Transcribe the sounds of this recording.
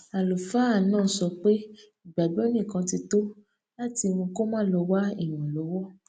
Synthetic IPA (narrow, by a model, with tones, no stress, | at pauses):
a˨lo˨fa˨˦a˦˨˦nã˦˨˦sɔ˧k͡pe˦ | i˨ɡ͡ba˨ɡ͡bɔ˨˦nĩ˦˨kã˨˧ti˧to˦ | la˦ti˧mõ˧ko˦mãː˦lɔ˧wa˦i˦˨j̃ũ˨lɔ˨˦wɔ˦˨